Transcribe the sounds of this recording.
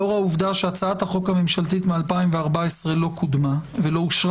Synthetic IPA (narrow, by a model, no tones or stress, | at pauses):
oʁauvd̪aʃeat͡saat̪haχo̞khamemʃalt̪it̪mealpaimveaʁbaesʁe̞lo̞kʰud̪mavelo̞uʃʁ